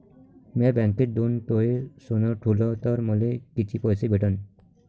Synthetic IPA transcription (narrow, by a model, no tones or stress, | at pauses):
meaɾbaŋkeʈ̚d̪unt̪oesunɔʈʰulɔt̪ɔɾmɔlekit͡ʃʰipɔjsibʱeʈɔn